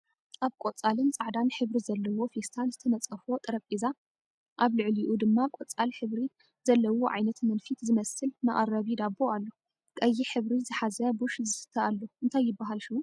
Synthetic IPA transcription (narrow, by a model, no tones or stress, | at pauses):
ʔaβkʼot͡sʼalɨnt͡sʼaʕd̪anħɨβɾizɐlːɐwo̞fest̪ʰalzɨt̪ʰɐnɐt͡sʼɐfo̞t̪ʼɨɾɐkʼiza | ʔaβlɨʕliʔud̪ɨmːakʼot͡sʼalħɨβɾi | z̥ɐlːɐwoʕajnɐt̪mɐnfit̪zɨmɐsɨlmɐʔʼɐɾɐβid̪abːoalːo̞ | kʼɐjːiħɨβɾizɨħazɐbuʃzɨsɨ̥t̪ʰːɐalːoʔɨnt̪ʰajːɪbːaɦalʃiu